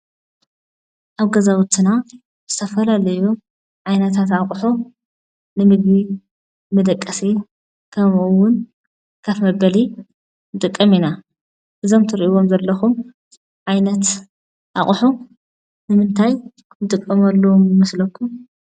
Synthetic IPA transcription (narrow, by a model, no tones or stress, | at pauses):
ʔaβɡɐzawʊt̪ʰːɨna | z̥ɨt̪ʰɐfɐlalɐju | ʕajnɐt̪ʰat̪aχʼħo | nɨmɨɡβi | mɐd̪ɐkʼːɐse | kʰɐmʔuwʊn | kʰafmɐbɐli | nɨt̪ʼɨkʼːɐmina | ʔɨzo̞mt̪ʰɨɾiʔiwomzɐlːɐxum | ʕajnɐt̪ | ʔaχʼħu | nɨmɨnt̪ʰaj | nɨt̪ʼɨkʼːɐmɐlːɐwomjɨmɐslɐkʰːum